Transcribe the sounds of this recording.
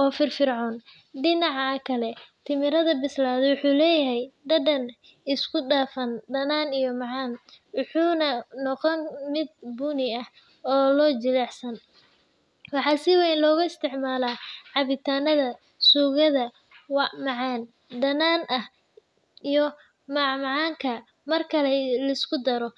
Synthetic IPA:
ʔɔːfɪrfɪrʕɔːn | ɖɪnɑʕɑkʰɐlɛt̪ʰɪmɪɾɐðɐbɪslaːðɛwʊħuːlɛːjɐɦɛjɖɐɖɐn | ɪskʰʊɖaːfɐnd̪ɐnaːnijɔmɑʕɑːnwʊħuːnɐnɔqɔnmɪd̪̚buːnɪɐh | ɔːlɔːt͡ʃɪlaːħsɐn | wɑħɑːsɪwɛjnlɔːɣʊɪst̪ʰɪʕmaːlaːʕɑβɪt̪ʰaːnɐðɐ | suːɣɐðɐ | wɑmɑʕɑːn | d̪ɐnaːnʔɐh | ijɔ | mɑʕmɑʕɑːŋkʰɐ | mɐrkʰɐlɛlɐɪskʰʊd̪ɐɾɔ

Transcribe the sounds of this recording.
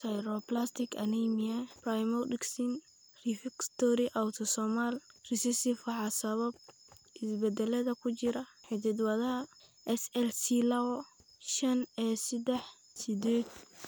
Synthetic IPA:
sɐjɾɔplast̪ʰɪkʰɐnimiɐprajmɔdɪksin | rifɪkst̪ʰɔɾiʔawt̪ʰɔsɔmalrisɛsɪfɐħɑsɐβɐb̚ | ʔɪsbɛd̪ɛlɐðɐkʰʊt͡ʃɪɾɐħɪd̪ɪd̪wɐðɐɦɐʔɛsɛlsilɐwɔ | ʃɐnɛsɪd̪ɛħ | sɪd̪eːd̪̚

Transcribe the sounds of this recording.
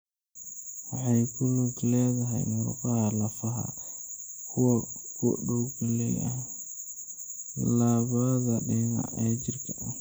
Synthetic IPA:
wɑħɑjkʰʊluɡlɛːðɐɦɛ̰jmʊɾʊ̰qɑhɐlɐfɐɦɐ̰ | kʰʊwkʰʊ̰ɖɔwɡɐlɛ̰jɐ̰ | laːβaðɐɗɛna̰ʔɛːt͡ʃɪrkʰɐʔ

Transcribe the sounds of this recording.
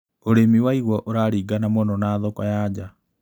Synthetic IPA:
oɾemiwaiɣwɔʔoɾaɾiːɡanamonɔnaːðokɔjaːd͡ʑa

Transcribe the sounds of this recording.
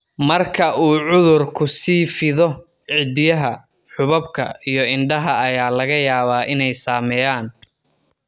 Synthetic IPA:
mɐrkʰɐʔuːʕʊðʊrkʰʊsiːfɪðɔ | ʕɪd̪ɪjɐɦɐ | ħʊβɐbkʰɐ̰ijɞɪnɖɐɦɐɐjaːlɐɣɐjaːβaːʔɪnɛjsaːmɛjaːn

